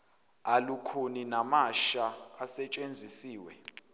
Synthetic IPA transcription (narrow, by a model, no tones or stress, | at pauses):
alukʰoninamaʃaːsɛt͡ʃʼend͡zʱisiːwɛ